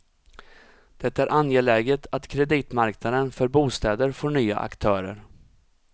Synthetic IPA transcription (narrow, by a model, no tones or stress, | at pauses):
d̪̥ɛt̪ːaæɾʔanjeːɭɛːɡət̪ʰat̪kʰɾɛd̪iːt̪maɾknad̪ənfœɾbuːst̪ɛːd̪əɾfɔːɳyːa̰ʔa̰kt̪ʰœːɾə̰ɾ